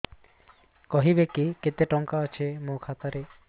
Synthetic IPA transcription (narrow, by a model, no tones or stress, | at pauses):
kɔɦibekiket̪eʈɔŋkaat͡ɕʰemokʰat̪aɾe